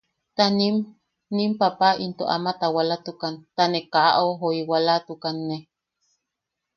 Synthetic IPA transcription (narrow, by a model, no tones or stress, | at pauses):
t̪anim | nimpapaint̪oʔa̰mat̪awalat̪ukant̪anekaʔʔoɦoiwalat̪ukanːe